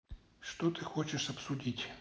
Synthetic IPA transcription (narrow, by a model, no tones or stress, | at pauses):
ʂt̪ot̪ɨxot͡ɕɪʂɐpsʊdʲitʲ